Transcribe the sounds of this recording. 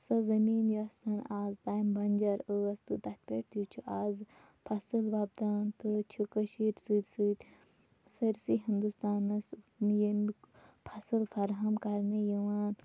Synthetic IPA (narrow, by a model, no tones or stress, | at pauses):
sɐzɐmiːnjosɐnaːzt̪aːjimbɐnʲd͡ʒɐɾəɐst̪ɨd̪ɐt̪̚ʲpeːʈt̪ʰjut͡ʃʰuʔaːz | pʰɐsɨlbaːb̚d̪aːnt̪ɨt͡ʃʰukəʃiɾʲsɨd̪ʲsɨːt̪ʲ | sɐɾsiɦind̪ust̪aːnɐs | jimik | pʰɐsɨlfɐɾɦɐmkɐɾnejɐʋaːn